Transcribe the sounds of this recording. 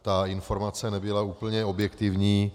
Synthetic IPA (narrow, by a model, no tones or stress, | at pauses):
t̪aɪnfo̞ɾmat͡sɛnɛbɪlauːpl̩ɲɛo̞bjɛkt̪ɪvɲiː